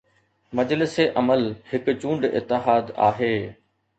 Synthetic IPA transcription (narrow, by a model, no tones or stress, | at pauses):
mɐd͡ʑlɪseʔɐməlhɪkʊt͡ɕũːɳɖɪ̰t̪ːɪɦaːd̪a̰ːɦeː